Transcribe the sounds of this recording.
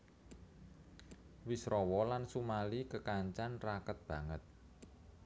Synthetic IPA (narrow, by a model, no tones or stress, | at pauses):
wisɾɔwɔlansumalikəkaɲt͡ʃanrakət̪̚b̥ä̤ŋət̪̚